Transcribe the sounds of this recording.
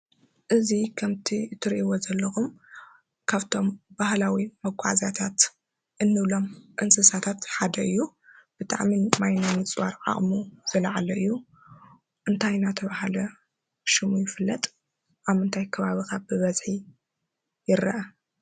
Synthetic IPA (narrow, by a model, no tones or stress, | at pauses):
ʔɨzikʰɐmt̪ʰit̪ʰɨɾʔiwozɐlːɐxum | kʰaβt̪ʰo̞mbahlawimɐɡʷa̰ʕzat̪ʰat̪ | ʔɨnːɨβlo̞mʔɨnsɨsat̪ʰat̪ħad̪ɐɨjːub̥ɨt̪ʼa̰ʕmimajnomɨt͡sʼwaɾʕa̰χʼmuz̥ɨlɐʕalɐɨjːu | ʔɨnt̪ʰajnat̪ʰɐβahalɐ | ʃɨmujɪfɨlːɐt̪ʼ | ʔaβmɨnt̪ʰajkʰɐβaβikabɨβɐzħi | jɪɾɐ̰ʔɐ